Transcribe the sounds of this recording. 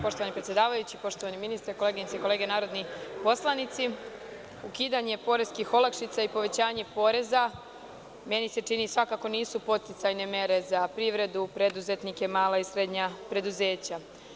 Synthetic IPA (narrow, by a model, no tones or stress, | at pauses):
po̞ʃt̪oʋanipɾet̪jed̪aːʋajut͡ɕipo̞ʃt̪o̞ʋaniminist̪ɾkoleɡiɲit̪eiko̞le̞ːɡenaːɾo̞d̪nipo̞slˠanit̪si | ukiːd̪aɲe̞po̞ɾezkixo̞lakʃit̪saipo̞ʋe̞t͡ɕaːɲe̞po̞ːɾe̞za | me̞nise̞t͡ʃinisʋakako̞niːsupo̞t̪t̪it̪sajne̞me̞ɾe̞zapɾiʋɾe̞d̪upɾe̞d̪uze̞t̪nike̞maːlˠaisɾe̞d̪ɲapɾe̞d̪uze̞ːt͡ɕa